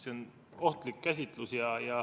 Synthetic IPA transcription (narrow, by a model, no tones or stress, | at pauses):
seon | o̞ht̪likːæs̬ʲit̪ˑlusjɑjɑ